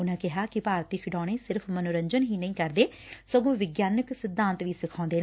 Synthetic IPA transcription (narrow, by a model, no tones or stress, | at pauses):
ʊnãːkɪɦaːkɪpaːɾt̪iːkʰɪʈaːɽ̃eːsɪɾpʰmənoɾəɲd͡ʒənɦiːnəĩːkəɾd̪eː | səɡõːʋɪɡjaːnəksɪd̪ːãːnt̪ʋiːsɪkʰɔ̃ːnd̪eː